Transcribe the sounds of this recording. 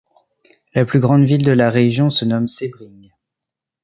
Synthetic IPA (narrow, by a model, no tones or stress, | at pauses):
laplyɡʁɑ̃d̪vild̪əlaʁeʒjɔ̃sənɔmsebʁiŋ